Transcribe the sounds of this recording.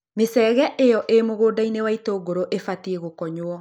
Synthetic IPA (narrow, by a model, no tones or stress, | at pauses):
mesɛːɣɛʔejɔʔemoɣoːdainewaitoɡoɾoʔefatieɣokɔɲoɔ